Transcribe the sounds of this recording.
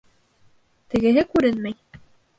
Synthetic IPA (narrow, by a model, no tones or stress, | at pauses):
t̪ɘ̆ɡɘ̆ɦɘkʉɾɘnmæj